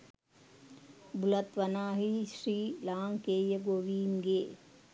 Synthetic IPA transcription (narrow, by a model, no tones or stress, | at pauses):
bulɐt̪ʋɐnaːɦiʃɾiːlaːŋkeːjɐɡoːʋiːmɡeː